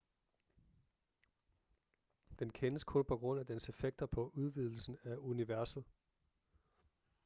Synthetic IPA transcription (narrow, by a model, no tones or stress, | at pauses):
d̥enkʰenəskʰɔ̽lpʰɒ̽ɡ̥ʁɔ̽n̰æd̥ense̝feɡ̥̚d̥ɐpʰɒ̽ʔuð̞ˠʋið̞̰ˠl̩sn̩æuniʋæɐsð̞̩ˠ